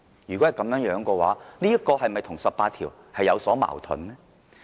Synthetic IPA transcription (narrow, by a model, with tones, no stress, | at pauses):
jyː˨kɔ˨˥hɐ˨jkɐ˨˥mjœː˨˥ŋjœː˨˥ŋkɔː˧wa̰ː˨˥nliː˥jɐ˥kːɔː˧hɐ˨jmɐ˨jt̪ʰʊ˨˩ŋsɐ˨pːaː˧t̪̚ʰiː˨˩w | hɐ˨jɐ˨˧wsɔː˨˥ma̰ː˨˩wt̪ʰʊ̰˨˥nmɛː˥